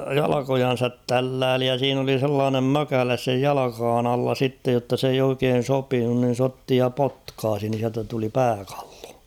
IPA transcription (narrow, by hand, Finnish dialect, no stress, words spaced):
jɑlɑkojɑn̞sɑt tælːæːli jɑ siːn oli selːɑːnem møkæles sej jɑlɑkɑːn ɑlːɑ sitːej jotːɑ s eij oikeːn̞ sopinun nin̞ s otːi jɑ potkɑːsi nin̞ siæltæ tuli pæːkɑ̥l̥ːo̥